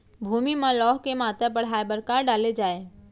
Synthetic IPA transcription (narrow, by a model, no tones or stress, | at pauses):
bʱuːmimãlɔːɦkemaːt̪ɾapəɽ̤ɦaːebəɾkaːɾɖaːled͡ʒaːeː